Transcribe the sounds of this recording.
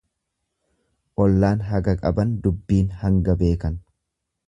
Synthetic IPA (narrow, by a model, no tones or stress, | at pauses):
ʔɔlːaːnɦɐɡɐkʼɐbɐnd̪ʊbːiːnhɐŋɡɐbe̞ːkɐn